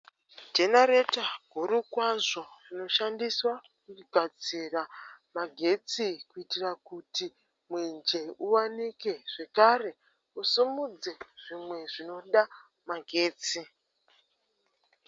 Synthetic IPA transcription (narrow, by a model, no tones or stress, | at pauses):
d͡ʒenaɾetaɡʱuɾukwaʐo̞rino̞ʃandiswa | kuɡʱad͡ziramaɡʱe̞t͡sikuitirakuti | mwend͡ʒe̞uwanike̞ʐ̥e̞kare̞ | usimud͡ze̞ʐ̥imwe̞ʐino̞ɗa | maɡʱe̞ːt͡si